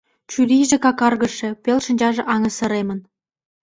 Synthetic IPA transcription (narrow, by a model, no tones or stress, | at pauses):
t͡ɕyɾiʒĕkɑkɑrɣə̆ʃĕpelʃə̆nʲd͡ʑɑʒĕʔɑŋə̆sə̆ɾemən